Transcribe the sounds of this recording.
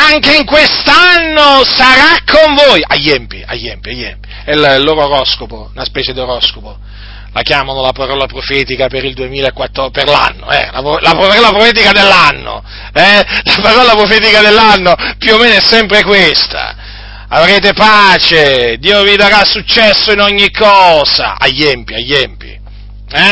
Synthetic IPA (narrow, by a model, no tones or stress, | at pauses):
aŋkeiŋkwest̪anːosaɾakʰːoɱvoːjʔa̰jːɛmpia̰jːɛmpiajːɛ̰mpi̥ | ɛllːoːɾooɾɔskopounaspɛːt͡ʃed̪ioɾɔskopo | lakjaːmanolapaɾɔːlapɾofɛːt̪ikapeɾild̪uemiːlaekwat̪ːoperla̰nːo̰ɛ̰la̰plapɾofɔlapɾofɛːt̪̬ikad̪elːanːo̰ | ɛlapaɾɔlapɾofeːt̪̬ikad̪elːanːopjuomːeːnoɛsːɛmpɾekwest̪a̰ | avɾeːt̪epaːt͡ʃed̪iːovid̪aɾasut͡ʃːɛsːoinɔɲːikːɔːza̰ʔa̰jːɛmpiajːɛmpḭ | ɛ